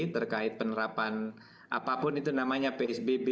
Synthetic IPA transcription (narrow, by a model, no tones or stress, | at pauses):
t̪ərkaɪt̪̚pənəɾapan | ʔa̰papʊnit̪unamaɲapeɛsbebe